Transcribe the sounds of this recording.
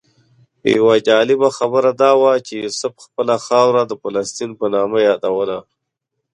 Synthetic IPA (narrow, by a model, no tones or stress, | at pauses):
ja̰wad͡ʒɑːlɪbaxabəɾad̪ɑːwat͡ʃejʊsʊfxpəlaxɑwɾad̪əfalast̪inpənɑːmajɑːd̪awəla